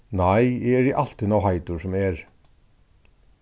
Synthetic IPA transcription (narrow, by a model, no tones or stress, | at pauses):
najjɛɛɾiʔal̥t̪ɪnawɦajt̪ʊɾsɔmɛɾ̥